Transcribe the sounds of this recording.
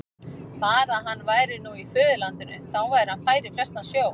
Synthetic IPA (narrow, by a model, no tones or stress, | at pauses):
faːɾaɦanːvaːjɾɪnuifʏːðʏlant̪ʏnʏ̰θawvajɾɪhanfaːjɾɪflɛr̥st̪asjoːw